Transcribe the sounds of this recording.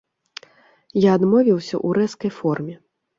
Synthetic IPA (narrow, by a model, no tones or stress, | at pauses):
jaːd̪mɔvʲiwsʲɐ̰ʔuɾɛskɐjfɔrmʲɛ